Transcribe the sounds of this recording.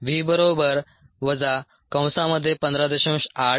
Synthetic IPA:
ʋiːbəɾobəɾ | ʋəd͡za | kə̃w̃saməd̪ʱːjepənd̪ɾad̪əɕũɕa

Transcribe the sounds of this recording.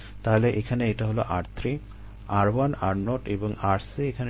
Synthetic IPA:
t̪aɦleʔekʰaneeʈaɦoloʔaɾt̪ʰɾi | aɾwanaɾnoʈebɔŋaɾsiekʰan

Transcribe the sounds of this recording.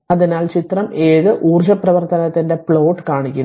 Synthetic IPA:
ɐðinaːlt͡ɕit̪rɐmeːðɨʔuːrd͡ʑɐprɐʋɐrt̪ɐnɐt̪ːinde̞pɭo̞ːʈːɨ̥kaːɳikʲːu

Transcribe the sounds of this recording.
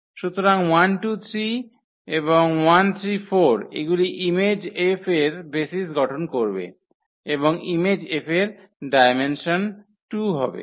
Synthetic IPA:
ʃut̪oɾaŋwanʈut̪ʰɾi | eboŋwant̪ʰɾifoɾḛɡuliʔimed͡ʑefeɾbesisɡɔʈʰonkoɾbḛ | eboŋimed͡ʑefʰeɾ | ɖajmenʃon | ʈuɦɔbḛ

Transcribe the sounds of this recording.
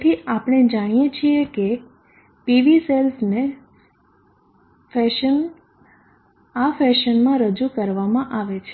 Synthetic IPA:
t̪ʰiʔapəɽ̃ed͡ʒaɽ̃ijet͡ʃʰieke | piʋiselsne | fɛʃən | afɛʃənmãɾəd͡ʒukəɾʋamãʔaʋet͡ʃʰe̥

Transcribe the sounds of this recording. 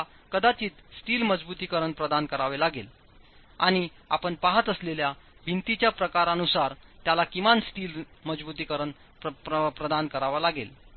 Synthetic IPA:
kəd̪at͡ɕiːt̪sʈiːlməd͡zbut̪ikəɾəɳpɾəd̪ankəɾaʋelaɡel | a̰ɽ̃i | a̰pəɳpaɦət̪əsleljabʱint̪it͡ɕjapɾəkaɾənusaɾt̪jalakimansʈiːlməd͡zbut̪ikəɾəɳ | pɾəd̪ankəɾaʋalaɡel

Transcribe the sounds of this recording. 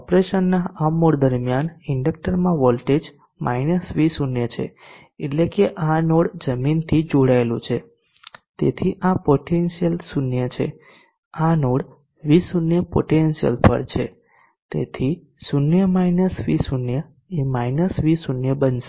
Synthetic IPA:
ɔpɾeʃənːaamːoɽd̪əɾmjanɪɳɖək̚ʈəɾmãʋɔlʈed͡ʒ | mʔa̰inəsʋisunjət͡ʃʰḛ | eʈlekeʔanoɽd͡ʒəmint̪ʰid͡ʒoɽaelũt͡ʃʰe | t̪ḛt̪ʰiʔapoʈenʃijəlsunjət͡ʃʰḛ | anoɽ | ʋisunjəpo̰ʈenʃijə̰lpʰə̰ɾt͡ʃʰe | t̪ḛt̪ʰi | sunjəmajnəsʋisunjə | emajnəsʋisunjəbənʃe

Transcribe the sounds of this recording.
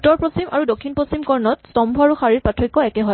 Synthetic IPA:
tːɔɹpost͡ɕimʔaɹudokʰːinpost͡ɕimkɔɹnɔtstɔmbʱɔaɹuxaɹiɹpatʰɹɔjkːɔɛkɛɦɔ

